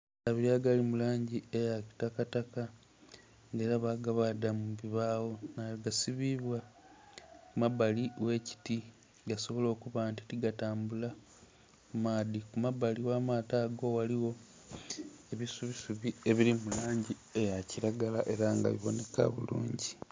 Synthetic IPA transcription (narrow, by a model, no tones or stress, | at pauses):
aβiɾaɡalimulaːɲɟiejaki̥takataka | ŋɡeːɾaβaːɡaβadamuβiβaːwo̞naliɡasiβiβwa | kumabaliwe̞ːci̥ti | ɡaso̞βo̞lo̞ːkuβanti̥tiɡataːmbula | kumaːdikumabaliwaːmaːtaːɡo̞waliwo̞ | eβisuβisuβie̞βilimulaːɲɟi | e̞jaciɾaɡalaʔe̞ɾaŋɡa̰βiβo̞̰ne̞ka̰βṵlṵːɲɟi